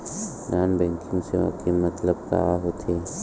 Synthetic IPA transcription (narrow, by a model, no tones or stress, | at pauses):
d͡ʒaːnbɛ̃ːŋkɪ̃ŋɡseʋa̰kimɐt̪ləb̚ka̰ːʋaɦot̪ʰe